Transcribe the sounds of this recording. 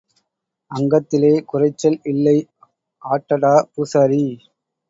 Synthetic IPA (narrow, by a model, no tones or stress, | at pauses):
ɐŋɡɐt̪ːɪleːkʊrɐɪt͡ʃːɐlɪlːɐɪ | ʔaːʈːɐɽaːpusɐɾi